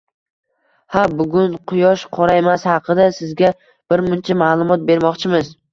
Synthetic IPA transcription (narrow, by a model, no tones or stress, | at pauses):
habʊɡʲʊnqʰʊjɒʃqʰɒɾaemashɑqʰɨd̪asɪzɡʲa | b̥ɪɾmʊnt͡ʃʰamaːlˠʊmɒt̪̚be̞ɾmɒqt͡ʃʰɪmɪz